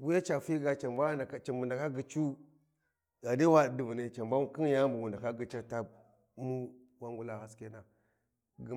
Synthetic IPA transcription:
wi˦ja˦t͡ʃa˨fi˦ɡa˨t͡ʃa˨mba˦a˨˦t͡ʃa˨mbu˨nda˨ka˦ɡi˨t͡ʃu˦ | ɡa˨di˦wa˦˨di˨vu˨ne˦t͡ʃa˨mba˦m˦ki˦n˦ja˦mbu˨ɡu˨nda˨ka˦ɡi˦t͡ʃa˦ta˦b̚ | mu˦ | wa˦ŋɡu˦la˨ha˦ske˦na˨ | ɡi˨

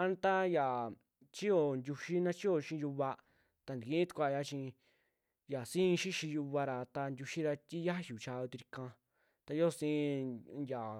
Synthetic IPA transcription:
a˦n˦t̪a˦ja˨ | t͡ʃi˦jo˨ndʲu˧ʃi˦nã˦t͡ʃi˦o˧˨ʃĩ˦˧ju˧βa˧ | t̪a˧nd̪i˨ĩ˧˦t̪u̥˧kʷa˧˨ja˧t͡ʃĩ˧ | ja˨sĩ˦˧ʃi˦ʃĩ˧ju˧βa˧ɾa˧t̪a˧ndʲu˧ʃi˦ɾa˧t̪ʲi˦ja˦ju˨t͡ʃa˧o˧t̪i˧ɾi˧kã˧ | t̪a˧jo˦˨˧sĩ˧ja˨

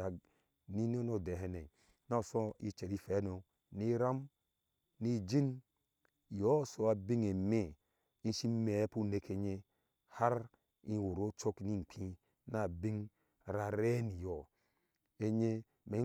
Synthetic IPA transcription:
a˨ɡ | ni˦n˦o˦no˨de˨ɦe˦ne˨ | na˦˨so˦i˦t͡ʃe˨ɾi˦fe˨˦no˨ | ni˦ɾa˦m | ni˦d͡ʒi˦n˨ | jo˦˨so˨a˨bi˦ŋe˨me˦˨ | i˦ʃi˦me˨˦pu˦ne˦kʰe˦ɲe˦ | ha˦ɾ | i˦wo˨ɾo˦t͡ʃo˦kni˦˨ŋ͡m̩˨k͡pʰĩ˦ | na˨bi˦ŋ˨ | ɾa˨ɾe˦ni˨jo˨ | e˦ɲe˦ | me˨˦

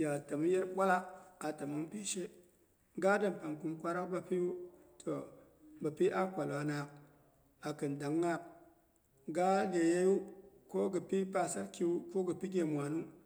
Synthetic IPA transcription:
ja˨ta˨mu˦je˦ɾɓʷa˦la˦k̚a˨ta˨mu˦ŋpi˦ʃe˦ | ɡa˦da˨m˨pa˨ŋku˨nkʷa˦ɾa˦kba˧pi˦ju˦tʰo˨ | ba˨pi˦ʔa˦kʷa˨lwa˨na˨k̚ | a˨kɨ˨nda˨ŋːa˦k̚ | ɡa˦le˨je˦ju˦ko˦ɡɨ˨pi˦pa˨sa˦ɾkʲi˦wu˦ko˦ɡɨ˨pi˦ɡʲe˨mʷ˨a˨nu˦

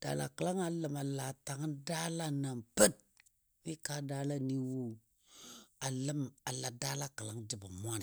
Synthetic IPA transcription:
d̥a̰˨la̰˨kə˨la˦ŋa˨lə˨ma˨la˨ta˨ŋ˦da˦la˦na˨mpə˦t̚ | mi˦ka˦da˦la˦ni˦wo˦ | a˨lə˦ma˨la˨da˦la˦kə˨la˦ŋd͡ʒi˦˨ba˨mʷ˦a˦n˨

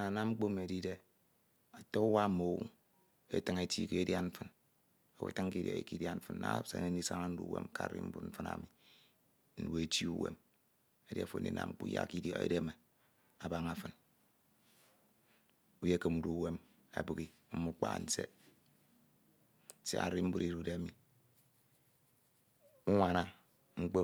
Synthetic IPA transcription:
na˨na˦mŋ͡m̩˦k͡po˦˨me˨di˦de˦ | a˨to˦u˦wa˦mo˨wṵ˦ŋ | ḛ˦tɨ˦ŋe˦tḭ˦˨ke˦dja˦ɱ̩˦fɨ˦n | a˨wḛ˨tɨ˦ŋ˦ki˦dja̰˨ḭ˨ki˦dja˦ɱ̩˦fɨ˦nna̰˦˨sḛ˨ne˦n˦i˦sa˦ŋa˦n̩˦dṵ˦wḛ˦m˦ka̰˦ɾɾḭ˦m̩˦bṵ˦ɱ̩˦fɨ˦na̰˨mi˨ | n̩˨we˨e˨ti˦u˦wḛ˦m | e˦di˦a˨fo̰˨nḭ˨na̰˨mŋ͡m̩˦k͡pṵ˦ja̰˦˨ki˦djo˦ḛ˦de˦me˨ | a˨ba˦ŋa˨fɨ˨n | u˦je˦kɨ˨mn̩˨du˦we˦m | a̰˨bɨ˦˨ki˦ | m̩˦mu˦k͡pa̰˦˨n̩˦sḛ˦˨ | sḛ˦a̰˨ɾi˦m̩˦bu˦ɾi˦ɾu˦de˦a˦mi˨ | u˦ŋʷa˨na˦ | ŋ͡m̩˦k͡po˦

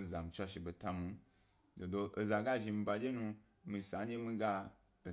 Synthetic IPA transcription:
za˨m̩˨t͡ʃʷa˧ʃe˨be˨ta˧mu˨˦ | do˨do˧ʔe˨za˨ɡa˦˨ʒi˧mi˧ba˧d͡ʒe˦nũ˧ | mĩ˧˨sa˨˦d͡ʒe˦mĩ˧ɡa˧ | o˨

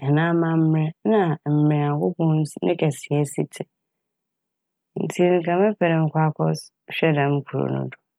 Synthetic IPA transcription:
ɛ˨nã˦mã˦m̩˦mɾɛ˦nã˦˨m̩˨mɾɛ̃˨a˨kʊ˦bʊ̃˦n˦snɪ̰̃˦kʰɛ˨sɪ˨ɛ˦si˦tʰɪ˨ | n̩˨tʰi˦ŋ̩˨kʰã˨mɛ̃˦pʰɛ˨ɾɪ̃˨ŋ̩˦kʷʰa˦kʰɔ˦s | ɕᶣɛ˦dã˨m̩˦kʰu˨ɾo̰˨nʊ̰̃˦˨dʊ˨

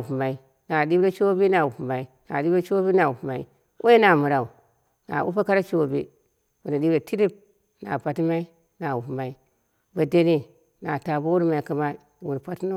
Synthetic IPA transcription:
u˨pma˨i˦ | na˨di˦bɾe˦t͡ʃo˦bi˦na˨wu˨pu˨ma˨i˦na̰˨ɗi˦bɾe˦t͡ʃo˦bi˦na˨wu˨pma˨ḭ˦ | wʔo˦e˦na˨mu˨ɾa˨u˨ | na̰˨ʔṵ˦pa˦ka˦ɾa˦t͡ʃo˦˨bḭ˦ | wu˨na˨ɗi˦bɾe˨ti˦ɾi˦b̚ | na̰˨pa˨ti˦ma˦i˦ | na˨wu˨pma˨i˦ | ba˨de˦ni˦ | na˨ta˨bo˦wu˦ɾma˨i˨ki˨ma˦ | wu˨ɾpa˦tno˦

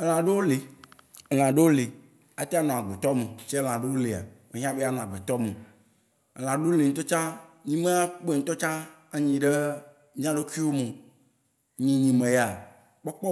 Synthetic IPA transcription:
e˨l̃ã˨ɖe˦wo˦le˨e˨l̃ã˨ɖe˦wo˦le˨ | a˦t̪e˦a˦nɔ̃˨a˨ɡ͡be˨t̪ɔ˦me˨t͡ʃe˦l̃ã˨ɖe˦wo˦le˨a̰˨me˨ɦĩ˦ã˦be˦a˦nɔ̃˨a˨ɡ͡be˨t̪ɔ˦me˨ | e˨l̃ã˨ɖe˦o˦le˨ŋ̩̃˦t̪ɔ˦t͡ʃã˦ɲĩ˦me˦a˦k͡pe˦˨ŋ̩̃˨˦t̪ɔ˦t͡ʃã˦ | a˨ɲĩ˨ɖe˦ | ɲ̃˦ã˦ɖe˦ki˦wo˦mẽ˨ | ɲĩ˨ɲĩ˨mẽ˨ja˨ | k͡pɔ˦k͡pɔ˦

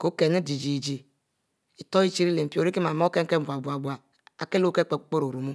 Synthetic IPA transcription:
ko˨˦ke˨ne˦di˨d͡ʒi˨d͡ʒi˨ | i˨to˦i˦t͡ʃi˦ɾi˦le˨m̩˨pi˦o˨ɾi˦ki˦ma˨mo˦ke˦ŋ̩˦e˦˨a˨bʷa˨ɡ͡bʷa˨ | a˨ke˦lo˦ke˦k͡pe˨˦k͡po˦ɾo˨ɾu˨mu˦

